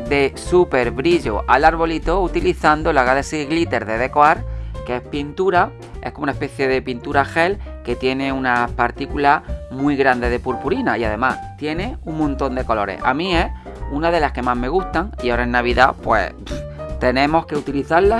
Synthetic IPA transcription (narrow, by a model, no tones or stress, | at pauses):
d̪e̞supe̞ɾβɾiʎoʔalaɾβ̞o̞lit̪o̞ut̪iliθand̪olaɣaðesiɣlit̪e̞ɾðe̞ðe̞koaɾkee̞pint̪uɾa | e̞hkomounaespe̞θje̞ðe̞pint̪uɾaxe̞lke̞t̪je̞ne̞unapaɾt̪ikulamwiɣɾand̪e̞ð̞e̞puɾpuɾinaiaðe̞mast̪je̞ne̞uŋmõnt̪o̞nd̪e̞ko̞lo̞ɾḛha̰mĩe̞ | unaðe̞laske̞maɦme̞ɣ̞ust̪aŋiaoɾaenːaβ̞iða̰pwḛ | t̪e̞nẽ̞mo̞hke̞ut̪iliθaɾla